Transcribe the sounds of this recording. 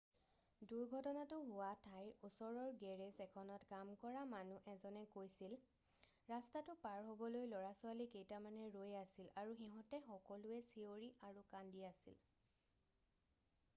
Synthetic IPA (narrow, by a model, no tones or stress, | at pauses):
duɹɡʱɔtɔnatʊɦʊwatʰajɹusɔɹɔɹɡɛɹɛzɛkʰɔnɔtkamkɔɹamanuʔɛzɔnɛkojsil | ɹastatʊpaɹɦobɔlojlɔɹasʊalikejtamanɛɹojasilaɹuxiɦɔ̃tɛxɔkɔlʊɛsioɹiaɹukandiasḭl